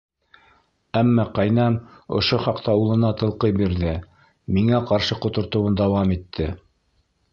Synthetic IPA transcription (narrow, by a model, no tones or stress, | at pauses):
æmːɑqɑjnɑmŏ̰ʃoχɑqt̪ɑulˠɤ̆nɑt̪ɤ̆lˠqɤjbiɾðɘ | miŋæqɑɾʃɤqŏt̪ŏɾt̪ŏwɤnd̪ɑwɑmit̪ʰːɘ